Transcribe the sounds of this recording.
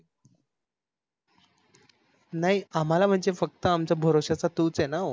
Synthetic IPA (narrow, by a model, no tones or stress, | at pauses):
naɦiam̤alam̤əɳd͡zefək̚t̪əamt͡ɕjabʱəɾoɕat͡sat̪uːt͡senao